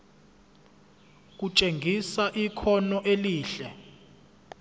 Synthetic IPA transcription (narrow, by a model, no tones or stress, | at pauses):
k̬ut͡ʃʼeŋʱisaʔikʰɔnɔʔeliːɬɛ